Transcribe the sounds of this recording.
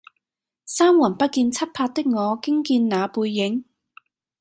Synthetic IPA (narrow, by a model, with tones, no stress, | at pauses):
saː˥mwɐ˨˩npɐ˥t̚kiː˧nt͡sʰɐ˥t̚pʰaː˧t̚t̪ɪ˥k̚ŋɔː˨˧kɪ˥ŋkiː˧nnaː˨˧puː˧jːɪ˨˥ŋ